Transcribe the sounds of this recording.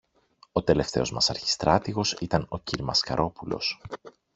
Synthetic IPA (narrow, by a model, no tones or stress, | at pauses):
o̞t̪e̞le̞ft̪e̞o̞zmɐsɐ̰ɾçi̥st̪ɾɐt̪iɣo̞sit̪ɐno̞ciɾmɐskɐɾʔo̞pulo̞̰s